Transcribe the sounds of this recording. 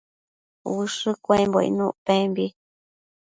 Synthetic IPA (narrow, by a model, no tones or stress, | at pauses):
wɨʂɨkʷãmboḭnũʔpẽmbi